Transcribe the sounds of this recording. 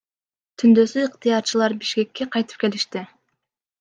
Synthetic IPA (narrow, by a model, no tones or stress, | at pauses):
t̪ʰynd̪øsyːqt̪ɨjɑɾt͡ʃɯlˠɑɾbiʃke̞kːe̞qʰɑjt̪ɯ̥p̚ke̞liʃt̪i